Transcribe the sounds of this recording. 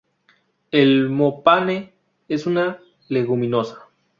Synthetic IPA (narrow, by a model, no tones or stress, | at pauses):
elmopane | esuna | le̞ɣumĩno̞sḁ